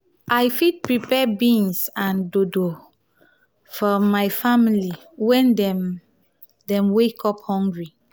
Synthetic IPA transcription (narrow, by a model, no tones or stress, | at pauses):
ʔajfit̚pɹipɛbĩnsãndodo | fɔmajfamili | wɛ̃ndɛm | dɛ̃mwekʰɔphɔ̃ŋɡɹi